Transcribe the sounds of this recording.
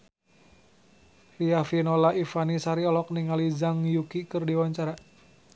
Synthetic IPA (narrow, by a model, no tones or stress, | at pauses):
riafinɔlaifanisaɾiɔlɔk̚niŋalid͡ʒaŋjukikɨrdiwaɲt͡ʃaɾa